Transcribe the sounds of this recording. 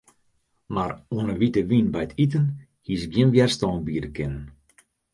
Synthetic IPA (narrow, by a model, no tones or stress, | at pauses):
maruənəʋitəʋinbɛjətʰit̬ən | hisɡjɪnʋjɛrstɔːnbiːɾəkʰɪnən